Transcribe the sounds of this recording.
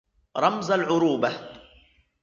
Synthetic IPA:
ɾˤɑmzˤalʕʊɾuːba

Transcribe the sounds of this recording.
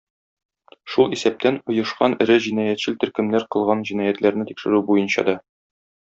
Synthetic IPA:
ʃulˠisæp̚t̪ænŏjɤ̆ʃqɑnɘ̆ɾɘʑinɑjæt̪ɕɘlt̪ɵ̆ɾkɘ̆mnæɾqɤ̆lˠʁɑnʑinɑjæt̪læɾnɘt̪ikʃɘ̆ɾʉbujɤnɕɑ̰d̪ɒ

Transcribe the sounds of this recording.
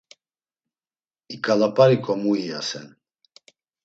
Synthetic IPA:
ikʼalapʼaɾikʼɔmuia̰sɛ̰n

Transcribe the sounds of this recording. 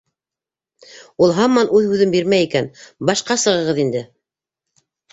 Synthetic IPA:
ulˠɦɑmːɑnʉðhʉðɘmbiɾmæjikænbɑʃqɑsɤ̆ʁɤ̆ʁɤðind̪ɘ

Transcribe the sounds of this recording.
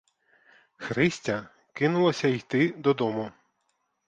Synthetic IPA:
xɾɪsʲtʲɐ | kɪnʊlˠɐsʲɐijt̪ɪd̪ɔd̪ɔmʊ

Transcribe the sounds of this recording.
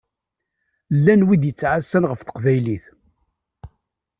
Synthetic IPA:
lːænwid̪jət͡sːʕasːænʁəfθə̥qvæjliθ

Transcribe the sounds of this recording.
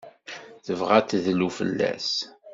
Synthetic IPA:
θəvʁæt̪ːðlufə̰lːæ̰s

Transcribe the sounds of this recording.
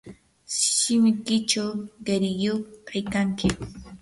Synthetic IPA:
ʃɪmɪkɪt͡ʃawɢeɾɪjokʰajkaŋkɪ

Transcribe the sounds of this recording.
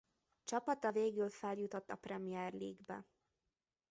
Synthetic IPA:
t͡ʃɒpɒt̪ɒveːɡylfɛljut̪o̞t̪ːɒprɛmijɛrlḭːɡbɛ̰

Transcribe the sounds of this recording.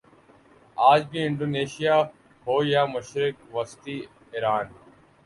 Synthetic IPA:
aːd͡ʒbiːɪɳɖoːneːʃijaː | hoːjaːmʊʃɾɪk̚ʋəst̪iː | ɪɾaːn

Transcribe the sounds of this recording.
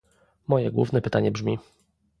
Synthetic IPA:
mɔjɛɡwṵvnɛpɘt̪aɲɛbʐmʲi

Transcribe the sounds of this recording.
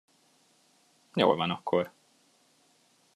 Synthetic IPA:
jo̰ːlvɒnɒkʰːoɾ

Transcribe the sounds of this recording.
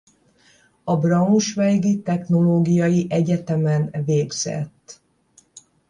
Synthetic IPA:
ɒbrɒuʃʋɛlɡit̪ɛxno̞loːɡijɒjiʔɛɟɛt̪ɛmɛnveːɡz̥ɛ̰t̪ː

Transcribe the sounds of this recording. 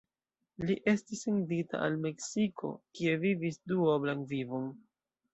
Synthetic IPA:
liʔe̞stisendita̰ʔalme̞ksikʰo̞̰kie̞vivisduoblaŋvivon

